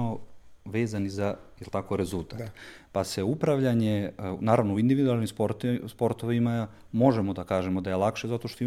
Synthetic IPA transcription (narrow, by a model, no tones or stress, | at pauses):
oʋe̞ːzanizajelt̪ako̞ɾe̞zulˠt̪aːt̪ | pase̞upɾaʋʎaɲenaːɾaʋnouind̪iʋid̪ualˠnimspoɾt̪spo̞ɾt̪oʋima | mo̞ʒemod̪akaːʒe̞mod̪ajelˠakʃezat̪o̞ʃt̪o